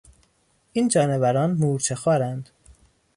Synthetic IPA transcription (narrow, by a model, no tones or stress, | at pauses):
ʔiːnd͡ʒɒːnevæɾɒːnmuːɾt͡ʃʰexɒːɾænd̪̥